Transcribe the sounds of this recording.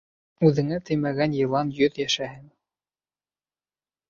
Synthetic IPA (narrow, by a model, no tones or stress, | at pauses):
ʉðɘ̆ŋæt̪ʰɵjmæɣænjɤ̆lˠɑnjɵðjæʃæhɘŋ